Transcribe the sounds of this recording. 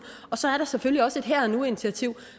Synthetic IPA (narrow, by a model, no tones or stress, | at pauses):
ɒ̽sɒ̽æɐɾ̥ɑ̈seføliɒ̽səe̝d̥ɦæɐnue̝nit͡sʰiæt͡sʰiʊ̰